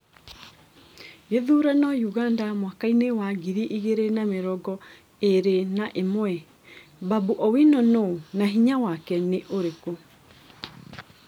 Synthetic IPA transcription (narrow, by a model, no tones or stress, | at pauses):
jeðuɾanɔjuɣandamwakainewaɡiɾiʔiɣeɾenameɾɔɡɔ | eɾenaʔemwɛ | babuʔɔwinɔnonaɦiɲawakɛneʔoɾeko